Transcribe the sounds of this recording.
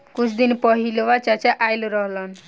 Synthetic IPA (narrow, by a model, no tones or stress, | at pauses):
kut͡ʃʰd̪inpɔɦilʋat͡ʃat͡ʃaʔajluɾɔɦlɔn